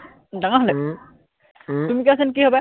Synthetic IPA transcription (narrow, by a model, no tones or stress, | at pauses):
daŋaɦɔlɛ | t̪umikasɛnkiɦɔbɛ